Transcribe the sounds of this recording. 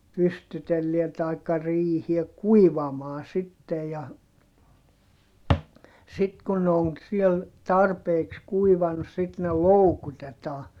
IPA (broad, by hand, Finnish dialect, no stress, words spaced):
pystytelːiæ tɑikːɑ riːhie kuiʋɑmɑː sitːe jɑ sit kun ne oŋ siel tɑrpeːks kuiʋɑnŭs sit ne loukutetɑː